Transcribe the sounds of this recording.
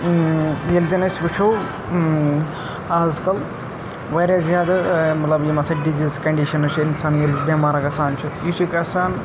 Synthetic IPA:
jelzɐnɐsʲʋut͡ʃʰow | aːzkɐl | ʋɐːɾʲjaːzjaːd̪ɐmɐt̪lɐbjimɐsɐɖiziːzkɐɳɖiʃɐnɐt͡ʃʰiinsaːnjelbʲɐmaːɾɐkɐsaːnt͡ʃʰujit͡ʃʰikɐsaːn

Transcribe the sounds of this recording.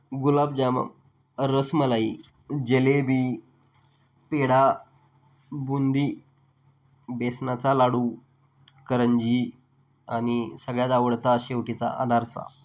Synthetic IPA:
ɡulab̚d͡ʑamə̰m | ɾəsməlai | d͡ʑelebiː | peɽa | bund̪iː | besnat͡salaɽu | kəɾəɲd͡ʑi | anisəɡɭjad̪aʋəɽt̪aɕeʋʈit͡sa̰ʔa̰naɾt͡sa̰

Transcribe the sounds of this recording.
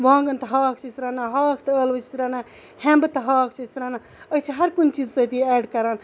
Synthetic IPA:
ʋãːŋɡɐnt̪ɐɦaːkʰt͡ʃʰist̪ɾanaɦaːkʰt̪ɐəːlʋɨt͡ʃʰi̥t̪ɾaːna | hẽmbɨt̪ɐɦaːkʰt͡ʃʰist̪ɾaːna | ət͡ʃʰiɦɐɾkunt͡ʃid͡zsɐt̪iɛːɖkɐɾaːn

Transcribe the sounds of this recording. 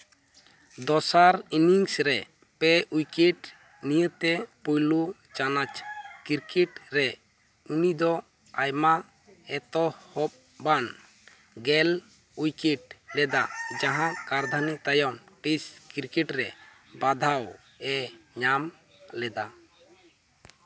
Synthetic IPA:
d̪ɔsaɾiniŋsɾɛ | pɛujkeʈ | nijət̪ɛpujlu | t͡ʃanat͡ʃkiɾkɛʈɾɛ | unid̪ɔ | ajma | ɛt̪ɔhɔp̚ | ban | ɡɛl | ujkeʈlɛd̪ad͡ʒaɦãkaɾd̪ʱanit̪ajɔmʈiskiɾkɛʈɾɛ | bad̪ʱaw | ɛɲam | lɛd̪a

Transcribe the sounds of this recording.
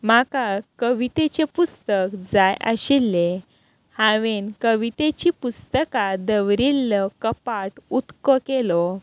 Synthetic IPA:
makakəʋit̪et͡ɕepust̪əkd͡zajʔə̰ɕilːe | hãʋenkəʋit̪et͡ɕipust̪əkad̪əʋɾilːəkəpaʈut̪kɔkelɔ

